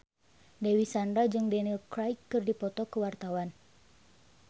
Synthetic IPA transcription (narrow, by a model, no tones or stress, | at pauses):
dewisandɾad͡ʒɨŋdɛnilkɾajkːɨrdipɔt̪ɔkəwart̪awan